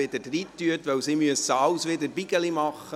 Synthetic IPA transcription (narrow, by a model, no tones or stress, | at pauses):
ɪdəd̥riːt̪ːyətʋœwsimyəsəɑʊsʋɪdəɾbiɡəlimɑχə